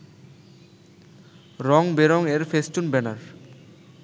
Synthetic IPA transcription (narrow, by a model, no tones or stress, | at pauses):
ɾɔŋbeɾɔŋeɾfesʈunbɛnaɾ